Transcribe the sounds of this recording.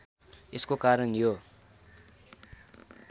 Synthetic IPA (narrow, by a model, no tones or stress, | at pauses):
eskokaɾʌnjo